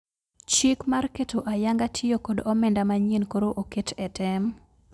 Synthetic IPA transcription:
t͡ʃikmarketoʔajaŋɡatʰɪokodɔmɛndamaɲinkoɾoʔoketɛtɛm

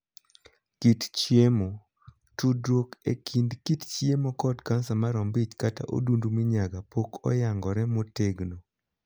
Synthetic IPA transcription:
kitt͡ʃjemo | tudɾokḛkʰindkitt͡ʃjemokɔdkansamaɾɔmbit͡ʃkata̰ʔo̰dundumiɲaɡapokʰɔ̰jaŋɡɔɾɛmoteɡno

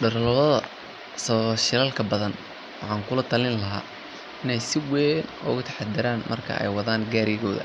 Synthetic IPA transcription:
ɖɐrlɐðɐðɐ | sɔʃɪlɐlkʰɐbɐðɐn | wɑħɑːŋkʰʊlɐt̪ʰɐlɪnlɐɦa̰ː | ɪnɛjsɪwɛːnʊ̰ɣʊt̪ʰɐ̥ħɑd̪ɪɾaːnmɐrkʰɐ̰ʔɛ̰jwɑðaːŋɡaːɾɪjɪɣɔːðɐ̰

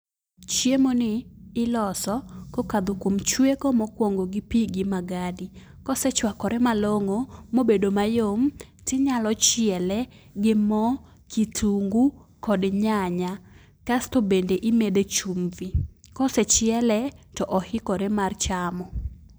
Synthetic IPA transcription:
t͡ʃjemonɪːlɔsɔkokad̪okwomt͡ʃwekomɔkwoŋɡoɡɪpiɡɪmaɡadi | kɔsɛt͡ʃwakɔɾɛmaloŋomobedomajomtɪɲalɔt͡ʃɪɛlɛ | ɡɪmɔ | kitʰuŋɡukɔdɲaɲa | kastobendeʔimed̪et͡ʃumvikɔsɛt͡ʃɪɛlɛtɔʔɔhɪkɔɾɛmart͡ʃamɔ

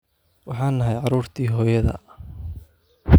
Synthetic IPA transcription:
wɑħɑːnːɐɦɛjʕɑɾuːrt̪ʰiːɦɔːjɐðɐ̰

